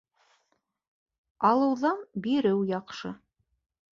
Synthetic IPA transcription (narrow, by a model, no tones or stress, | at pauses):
ɑlˠɤ̆wðɑnbiɾɘwjɑqʃɤ